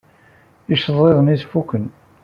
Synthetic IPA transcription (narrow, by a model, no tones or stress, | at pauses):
iʃəðˤeðˤəniθfukːən